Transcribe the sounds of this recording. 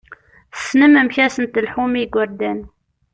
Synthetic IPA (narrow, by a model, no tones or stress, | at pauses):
snəməmçæsənt̪əlħumiɡʷəɾd̪æn